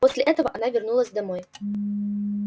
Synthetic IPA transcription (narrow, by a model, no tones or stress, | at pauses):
osʲlʲɪʔɛt̪əvəʔɐnavʲɪrnulˠəsʲd̪ɐmoj